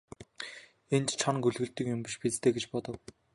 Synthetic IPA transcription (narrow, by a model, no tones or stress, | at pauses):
ent͡ɕt͡ɕʰɔnɡɵɮɣɘ̆ɮt̪ɵ̆kjʊmpiʃpet͡st̪ʰeːɡet͡ɕpɔt̪ɞ̆w